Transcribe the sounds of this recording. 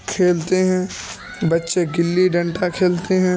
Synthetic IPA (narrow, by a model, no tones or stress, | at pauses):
kʰeːlt̪eɦɛ̃ː | bɐtːʃeɡɪlːiɖɐ̃ɳʈakʰeːlt̪eɦɛ̃ː